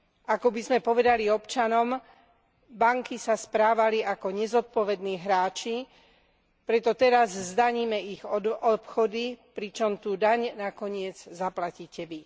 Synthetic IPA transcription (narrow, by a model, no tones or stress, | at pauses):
akɔbizmɛpɔʋɛd̪aliɔpt͡ʃanɔm | baŋkisaspɾaːʋaliʔakɔɲɛzɔt̪̚pɔʋɛd̪niːɦɾaːt͡ʃi | pɾɛt̪ɔt̪ɛɾazzd̪aɲiːmɛiɣɔpxɔd̪ipɾit͡ʃɔmt̪uːd̪aɲnakɔɲɪɛd͡zzaplaciːcɛʋi